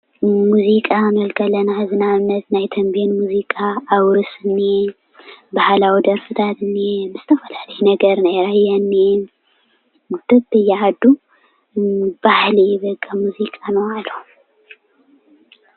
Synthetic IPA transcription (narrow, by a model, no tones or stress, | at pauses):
muzikʼamɐlkʰɐlɐnazɨnaɨnːɐt̪najt̪ʰɐmbenmuzikʼaːwɾɨsɨnːe | bahlawid̪ɐɾfɨt̪ʰat̪ɨnːebɨzɨt̪ʰɐfɐlalɐjɛnɐɡɐɾnajɾajːanːe | ɡud̪̥ɨbɨjːɛʕad̪ːu | b̥ahlijɪβɐkʼːɐmuzikʼanɐwalːo